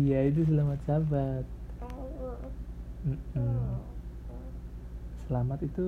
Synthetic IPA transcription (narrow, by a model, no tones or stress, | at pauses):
jaid̪us̬əlamat̪sabat̪̚ | m̩ | səlamat̪it̪u